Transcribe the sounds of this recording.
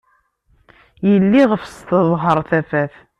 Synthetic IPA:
jəlːiʁəfst̪əðˤɦəɾˤθæfæθ

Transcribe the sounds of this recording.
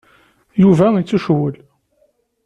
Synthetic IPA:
juvæit͡sːuʃwəl

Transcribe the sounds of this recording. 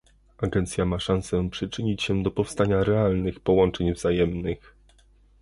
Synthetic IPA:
aɡɛnt̪sʲjamaʂãnsɛpʂɘt͡ʂɘɲit͡ɕɕɛd̪ɔpɔfst̪aɲaɾɛalnɘxpɔwɔnt͡ʂɛɲvz̥ajɛmnɘx

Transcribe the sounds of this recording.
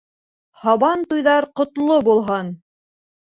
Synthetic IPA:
hɑβɑnt̪ujðɑɾqŏt̪lˠobulˠɦɤn

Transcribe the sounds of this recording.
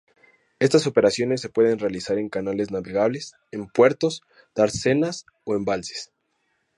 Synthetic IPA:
e̞st̪aso̞pe̞ɾasjo̞ne̞s̬ːe̞pwe̞ðe̞nrealisaɾe̞ŋkanale̞znaβe̞ɣaβ̞le̞s | e̞mpwe̞ɾt̪o̞s | d̪̥aɾse̞nas | o̞e̞mbalse̥s

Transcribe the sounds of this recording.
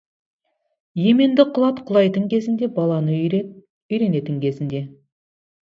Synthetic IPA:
je̞me̞nd̪ɪqʰʊlˠɑt̪qʰʊlˠɑjt̪əɴkʲʰe̞zɪnd̪e̞bɑlˠɑnə | ʏjɾe̞ne̞t̪ɪŋkʲʰe̞zɪnd̪e̞

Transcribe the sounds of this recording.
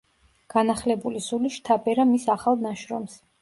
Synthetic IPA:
ɡ̥anaχlɛbulisuliʃt̪ʰapʼɛɾamisaχalˠnaʃɾɔ̰ms

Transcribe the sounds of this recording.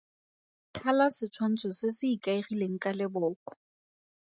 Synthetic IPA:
kʰalasɪt͡sʰwan̩t͡sʰɔsɪsɪikʼaiχileŋ̩kʼalɪbʊːkɔ̥

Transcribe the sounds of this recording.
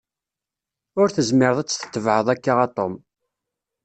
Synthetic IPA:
ʊɾθəzmɪɾəðˤæt͡sːθə̥t̪ːəvʕəðˤækːaʁɑt̪ˤːom

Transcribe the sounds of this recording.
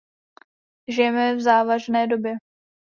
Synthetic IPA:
ʒɪjɛmɛvzaːvaʒnɛːdo̞bjɛ

